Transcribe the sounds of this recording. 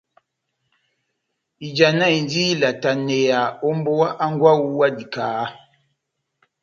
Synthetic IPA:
i˨d͡ʒa˨na˦˨i˨ndi˦la˨ta˨ne˨ja˨o˦mbo˦wa˦ʔa˦ŋɡwa˦wu˦wa˦di˨kaː˨˦

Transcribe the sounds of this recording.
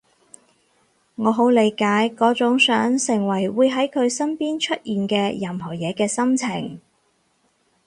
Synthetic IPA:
ŋɔː˨˧ɦo˨˥wle˨˧jkaː˨˥jkɔː˨˥t͡sʊ˨˥ŋsœː˨˥ŋsɪ˨˩ŋwɐ˨˩jwuː˨˧jɦɐ˨˥jkʰɵ˨˧ɥsɐ˥mpiː˥nt͡ʃʰɵ˥t̚ʔjiː˨nkɛː˧jɐ˨mɦɔː˨˩jɛː˨˧kɛː˧sɐ˥mt͡sʰɪ˨˩ŋ

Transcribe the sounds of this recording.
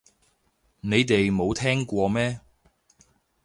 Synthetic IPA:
ne˨˧jt̪e˨jmo˨˧wt̪ʰɛː˥ŋkʷɔː˧mɛː˥

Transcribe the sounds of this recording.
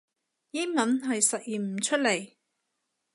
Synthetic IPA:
ji˥mɐ˨˥nɦɐ˨jsɐ˨t̚jiː˨˩m̩˨˩t͡ʃʰɵ˥t̚le˨˩j

